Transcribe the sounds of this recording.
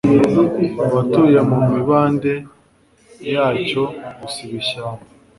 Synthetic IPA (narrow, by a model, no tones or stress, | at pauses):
βatujamumiβaːnde | jaːco̞ɡusiβiɕama